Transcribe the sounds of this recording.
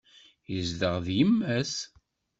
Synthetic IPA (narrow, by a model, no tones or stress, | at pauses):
jəzd̪əʁðjəmːæs